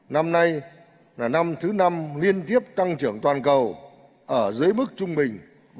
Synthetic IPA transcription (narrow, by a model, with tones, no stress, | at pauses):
na˧mna˧j | laː˨˩na˧mt̪ʰɨ˨˦na˧mli˧ənt̪i˦˥əp̚t̪a˧ŋt͡ɕɨ˧˩əŋt̪waː˨˩nkə˨˩w | ʔəː˧˩zɨ˨˦əjmɨ˦˥k̚t͡ɕʊ˧ŋ͡mɓï˨˩ŋ̟